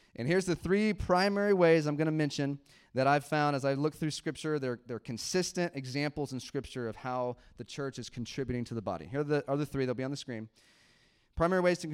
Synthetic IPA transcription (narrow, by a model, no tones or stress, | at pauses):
ʔɨ̰̃nhiɹzðɨθɹipʰɹ̥ãɪ̃mɛɹiweɪzãɪ̃mɡʌñɨmɛ̃nʃɨ̃n | ðɨɾaɪv̥fãʊ̃ndəzaɪlʊk̚θɹʉskɹɪp̚t͡ʃə˞ðə˞ðə˞kʰɨ̃nsɪstɨ̃ntɨɡzæ̃mpl̩ˠzə̃n̩skɹɪp̚t͡ʃə˞ʌv̥haʊðɨt͡ʃʰɜ˞t͡ʃɨz̥kʰn̩tʰɹ̥ɪbjʉɾɪ̃ŋtʰɨðəbɑ̰ɾḭhiɹðɨə˞ðɨθɹiðɨlˠbiɨ̃nðɨskɹĩm | pʰɹ̥aɪ̃mɛɹiweɪz̥tʰɨk